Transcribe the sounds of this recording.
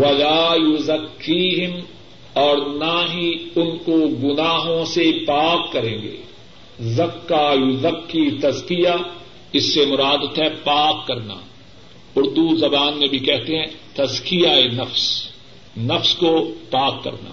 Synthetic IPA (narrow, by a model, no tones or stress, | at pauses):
wɐlaːjʊzɐkːiːɦɪm | ɔːɾnaɦiʊnkoɡʊnaːɦõsepaːkːɐɾẽːɡḛː | zɐkːaːjʊzɐkːit̪ɐzkɪja | ɪsːemʊɾaːd̪t̪ɦɛpaːkːɐɾna̰ː | ʊɾd̪uzɐbaːnmẽbʱikɛɦt̪eɦɛ̃t̪ɐzkɪijaenɐfs | nɐfskopaːkːɐ̰ɾna̰ː